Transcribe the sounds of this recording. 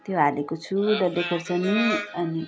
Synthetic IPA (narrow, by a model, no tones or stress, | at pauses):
t̪joɦalekot͡sʰuɖʌlekʰʌrt͡sʌniʌni